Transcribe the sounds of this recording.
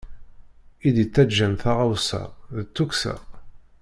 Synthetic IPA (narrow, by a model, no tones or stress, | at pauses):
id̪it͡sːæd͡ʒːænθaʁawsæ̰ðət͡sːuksæ̰